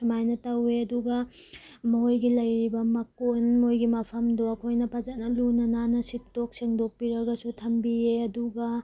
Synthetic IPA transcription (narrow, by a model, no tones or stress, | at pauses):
sɐmajnɐtɐweɐduɡɐ | mɐɦojɡilɐjɾibɐmɐkonmojɡimɐpʰɐmdoɐkʰojnɐpʰɐzɐt̚nɐlunɐnanɐsitːok̚seŋdok̚piɾɐɡɐsutʰɐmbieɐduɡɐ